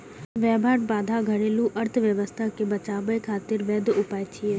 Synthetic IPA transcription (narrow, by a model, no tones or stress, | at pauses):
ʋɛːbʱaːʈ̚baːd̪ʱaɡʱəɽeːlũʔɐɾt̪ʰʋjəʋəst̪ʰakebɐt͡ʃaːbəjkʰaːt̪ɪɾʋɛːd̪ʱʊpaːjt͡ʃʰiɛ